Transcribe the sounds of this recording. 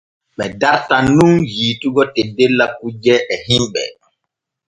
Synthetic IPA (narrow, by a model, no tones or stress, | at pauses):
ɓɛdaɾtanunjiːtuɡɔtedːelːak̚ud͡ʒɛɛhimɓɛ̰